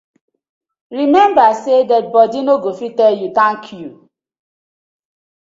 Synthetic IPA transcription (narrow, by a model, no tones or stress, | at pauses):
ɹimɛ̃mbasedɛt̚bɔdinoɡofitɛljutãŋkʰju